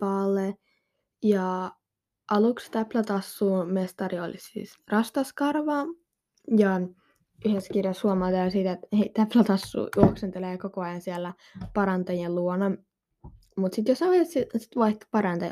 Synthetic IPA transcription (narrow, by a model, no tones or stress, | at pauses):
pɑːlːe | jɑ | ʔɑlukst̪æplæt̪ɑsːuːmest̪ɑrio̰lisḭːs | rɑst̪ɑskɑrʋɑ | jɑ | yheskirjɑshuomɑlt̪ɑɑˑsiːt̪et̪heit̪æplæt̪ɑsːṵːjuoksent̪eleːkokoɑjɑnsielːæ | pɑɾɑnt̪ɑjelluonɑ | mut̪sit̪josɑʋessisi̥t̪ʋɑiht̪pɑɾɑnt̪ɑj